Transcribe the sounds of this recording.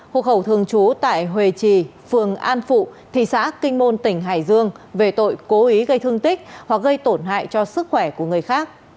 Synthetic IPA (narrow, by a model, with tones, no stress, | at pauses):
ho̰˧˨xə˧˩wt̪ʰɨ˨˩əŋt͡ɕu˨˦t̪a̰ː˧˨jɦwe˨˩t͡ɕi˧˩fɨ˨˩əŋʔaː˧nfṵ˧˨t̪ʰḭ˧˨sa̰ː˧˥kï˧ŋ̟mo˧nt̪ï˧˩ŋ̟ɦaː˧˩jzɨ˧əŋve˨˩t̪o̰˧˨jko˨˦ʔi˨˦ɣə˧jt̪ʰɨ˧əŋt̪ï˦˥k̚hwa˨˩k̚ɣə˧jt̪o˧˩nɦa̰ː˧˨jt͡ɕɔ˧sɨ˦˥k̚xwɛ˧˩ku˧˩əŋɨ˨˩əjxaː˦˥k̚